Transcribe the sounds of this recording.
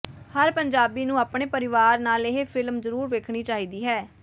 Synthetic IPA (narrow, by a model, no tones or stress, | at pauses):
həɾpəɲd͡ʒaːbiːnũːaːpɳ̃eːpəɾɪʋaːɾnaːleɦepʰɪlmzəɾuːɾʋeːkʰɽ̃iːt͡ʃaːɦiːd̪iːɦɛː